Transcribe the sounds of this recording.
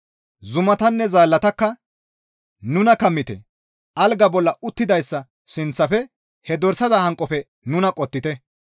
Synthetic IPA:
zʊmɐt̪ɐnːɛzaːlːɐt̪ɐkːɐ | nʊnɐkɐmːɪt̪ɛ̰ | ʔɐlɡɐbɔlːɐʊt̪ːɪd̪ɐjsːɐ | sɪnt͡sːɐfɛ | hɛd̪ɔɾsɐzɐhɐŋkʼːɔfɛ | nʊnɐkʼɔt̪ːɪt̪ɛ

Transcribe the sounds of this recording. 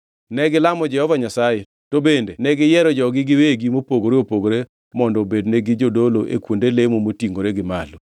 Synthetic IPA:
nɛɡɪlamɔd͡ʒɛhɔvaɲasaje | tobendenɛɡɪjɛɾɔd͡ʒɔɡɪɡɪweɡimopoɡoɾeopoɡoɾe | mɔndɔbedneɡɪd͡ʒodoloʔḛkwondelemomotiŋɡoɾeɡɪmalo

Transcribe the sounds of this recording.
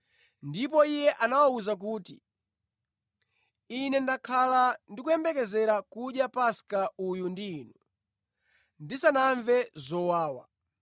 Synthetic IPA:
ndipɔijɛʔanawauzak̬uːtḭ | inɛndakʰalandikujɛmbɛkɛzɛɾakuɗjapaskaujundiːnu | ndisanaɱvɛzɔwaːwa̰

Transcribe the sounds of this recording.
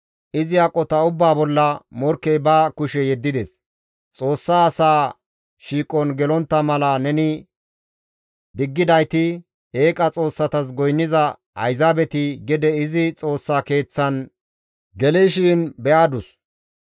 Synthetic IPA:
ʔɪzɪakʼːɔt̪ɐʊbːaːbɔlːɐmɔɾkːɛjbɐkʊʃɛjɛd̪ːɪd̪ɛs | t͡sʼo̞ːsːaːsaː | ʃiːkʼɔnɡɛlɔnt̪ːɐmɐlɐnɛnɪ | d̪ɪɡːɪd̪ɐjt̪ɪ | eːkʼɐt͡sʼo̞ːsːɐt̪ɐs̬ɡɔjnːɪzɐ | ɐ̰jzaːbɛt̪ɪɡɪd̪ɛɪzɪt͡sʼo̞ːsːake̞ːt͡sːɐn | ɡɛleʃiːnbɛʔaːd̪ʊs

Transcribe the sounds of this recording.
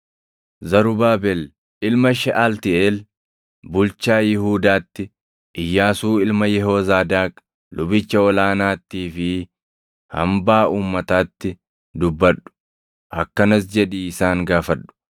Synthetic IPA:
zɐɾʊbaːbɛl | ɪlmɐʃɛʔalt̪ɪʔeːl | bʊlt͡ʃaːjɪɦuːd̪aːt̪ːɪ | ʔɪjːaːsuːɪlmɐjɛɦozaːd̪aːk | lʊbɪt͡ʃːɐɔlaːnaːt̪ːiːfɪ | hɐ̰mbaːʔuːmːɐt̪aːt̪ːɪ | d̪ʊbːɐɗʊ̥ | hɐkːɐnɐs̬d͡ʒɛᶑiːɪsaːŋɡaːfɐᶑʊ̥

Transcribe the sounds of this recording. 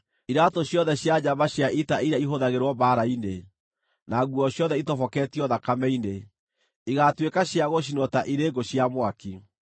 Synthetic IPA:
iɾatoɕjɔðɛɕjad͡ʑaβaɕjaʔitaiɾaiɦoðaɣeɾwɔbaːɾaine | naɣuɔɕjɔðɛitɔfɔkɛtiɔðakamɛine | iɣatwekaɕjaɣoɕ̬inɔtaʔiɾeːɡoɕjamwaki

